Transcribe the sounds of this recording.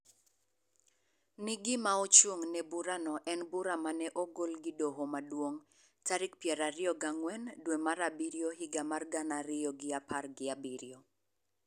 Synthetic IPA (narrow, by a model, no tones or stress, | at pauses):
nɪɡɪmaɔt͡ʃoŋnɛbuɾanɔʔɛnbuɾamanɛʔɔɡolɡɪdoɦomadwoŋ | taɾɪkpjɛɾaɾɪɔɡaŋwɛndwemaɾabiɾiohiɡamarɡanaɾɪjɔɡɪapʰarɡɪabiɾio